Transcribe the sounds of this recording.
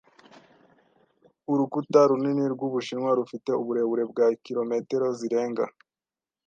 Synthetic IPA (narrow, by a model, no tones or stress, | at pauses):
uɾukutaɾuniniɾɡuβuʃinŋwaɾufite̞uβuɾe̞βuɾe̞bɡakiɾo̞me̞teɾo̞ziɾe̞ːŋɡa